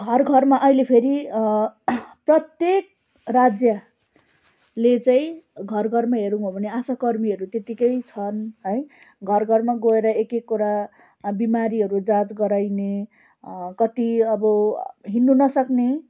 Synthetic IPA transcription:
ɡʱʌrɡʱʌrmaʔʌilepʰeɾi | prʌt̪jek̚ | rad͡zjʌ | let͡saĩɡʱʌrɡʱʌrmaɦeɾũobʱʌneasakʌrmiʌɾut̪et̪ikʌjt͡sʰʌnɦʌjɡʱʌrɡʱʌrmaɡoeɾʌekekːuɾa | bimaɾiɦʌɾud͡zãt͡sɡʌɾajne | kʌt̪iʌbʌɦinːunʌsʌkne

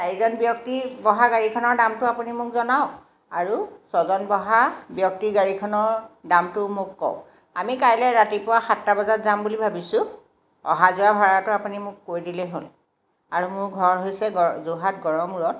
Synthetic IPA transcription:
taɹizɔnbjɔk̚tibɔɦaɡaɹikʰɔnɔɹdamtʊapunimʊkzɔnaʊ | aɹusɔzɔnbɔɦabjɔk̚tiɡaɹikʰɔnɔɹdamtʊmʊkːɔ̰ʊ̃ | a̰mikajlɛɹatipʊwaxatːabɔzatzambulibʱabisʊ̃ | ɔ̰ɦazuwabʱaɹatʊapunimʊkːoɹjdilɛɦol | aɹumʊɹɡʱɔɹɦojsɛɡɔzoɦat̚ɡɔɹɔmuɹɔt̚

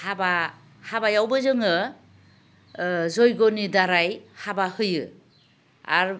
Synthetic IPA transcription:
haba | habajawbɯzɯŋɯ | zɔjɡɔnidaɾajhabahɯjɯ̰ | a̰ɾ

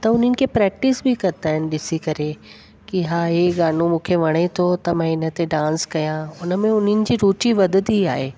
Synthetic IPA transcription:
t̪ɐʊn̤ənɪ̆kʰepɾɛːk̚ʈɪsbʱikɐɾt̪aːɦɪnɪ̆ɗɪsikɐɾe | kiɦaːɦeɡaːnumũːkʰeʋɐɽ̃et̪ʰot̪ɐmãɪnə̆t̪eɖãːnskɐjãʊnə̆mẽʊnənɪ̆d͡ʑiːɾuːt͡ɕiʋɐd̪ʱt̪ia̰ːɦeː

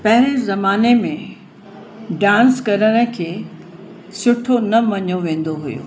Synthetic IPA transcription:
pɐɦɪɾ̃ɪ̃zɐmaːnemẽ | ɖãːnskɐɾəɽ̃ə̆kʰeː | sʊʈʰonɐmɐɲoʋẽːn̆d̪oɦʊ̰jo̰ː

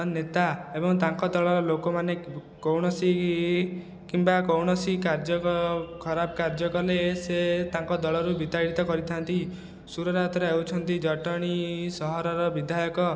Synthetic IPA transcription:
net̪aebɔŋt̪aŋkɔd̪ɔɭɔɾɔlokomane | kowɽ̃ɔsi | kimbakowɽ̃ɔsikaɾd͡ʒɔkɔkʰɔɾabɔkaɾd͡ʒɔkɔleset̪aŋkɔd̪ɔɭɔɾubit̪aɽit̪ɔkɔɾit̪ʰant̪i | suɾɔɾat̪ɔɾaewt͡ʃʰɔnt̪id͡ʒɔʈɔɽ̃isɔɦɔɾɔɾɔbid̪ʱajɔkɔ

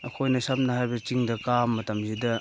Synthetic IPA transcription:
ɐkʰojnɐsap̚nɐhajbɐt͡ʃiŋdɐkamːɐtɐmzidɐ

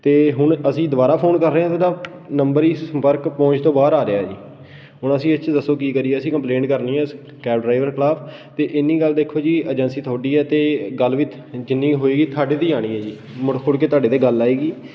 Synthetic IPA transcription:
t̪eːɦʊɳəsĩːd̪ʊbaːɾaːpʰoːnkəɾːeːãːt̪ːd̪ãː | nəmbəɾiːsəmpəɾkpɔ̃ːt͡ʃt̪õːbaːɾaːɾeaːd͡ʒḭː | ɦʊɳəsĩːət͡ʃd̪əsːoːk̬iːkəɾiːɛːəsĩːkəmplẽːɳʈkəɾniːɛːs | kɛːbɖɾaːɪʋəɾklaːpʰ | t̪eːʔɪnːiːɡəld̪eːkʰːoːd͡ʒiːəd͡ʒənsiːt̪ʰaːɖiːɛːt̪eːɡəlʋit̪ʰ | d͡ʒɪnːiːɦoːiːɡiːt̪ʰaːɖeːt̪iːaːɽ̃iːɛːd͡ʒiː | mɽkʰʊɽkeːt̪oaːɖeːt̪eːɡəlaːiːɡiː

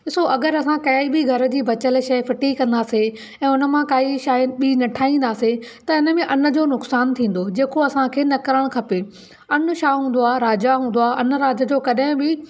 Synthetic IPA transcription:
ɪsoʔɐɡəɾɐsãkɐibɪɡʱɐɾə̆d͡ʑiːbɐt͡ɕəlʃɐjfɪʈikɐ̃nd̪aːse | ɛ̃ːʊnə̆mãkaːiʃaːjɓinɐʈʰaːĩːnd̪aːset̪ɐɪnə̆mẽʔɐnə̆d͡ʑoːnʊksaːnt̪ʰĩːn̆d̪od͡ʑeːkoɐsãkʰeːnɐkəɾəɽ̃kʰɐpe | ɐn̆ʃaːɦũːn̆d̪oaːɾaːd͡ʑaɦũːn̆d̪oaːɐnɾaːd͡ʑəd͡ʑoːkɐɗɦɪ̃bɪ

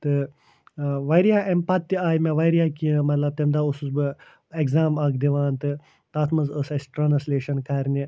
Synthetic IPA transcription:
t̪ɨ | ʋɐjɾijaːʔempɐt̪ːiaːjmɐʋɐjɾijaːkimɐt̪lɐb̚t̪emd̪aːususbɨ | ekzaːmɐkd̪iʋaːnt̪ɨ | t̪aːt̪ʰmɐzɐsɐsʈɾɐnɐsleːʃɐnkɐɾni

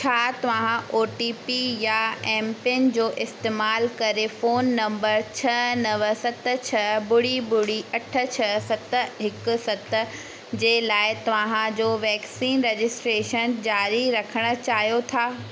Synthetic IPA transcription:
t͡ɕʰaːt̪ɐʋãɦãʔoːʈiːpijaɛ̃ːmpɪnd͡ʑoːʔɪst̪eːmaːlkɐɾefoːnːɐ̃mbəɾt͡ɕʰɐnɐʋəsɐt̪̆t͡ɕʰɐbʊɽibʊɽiʔɐʈʰə̆t͡ɕʰɐsɐt̪əɦɪkʊ̆sɐt̪ə | d͡ʑeːlaːɪt̪ɐʋãɦãd͡ʑoːʋɛːksiːnɾed͡ʑɪsʈɾeːʃənd͡ʑaːɾiɾɐkʰəɽ̃ə̆t͡ɕaːɦijot̪ʰaː

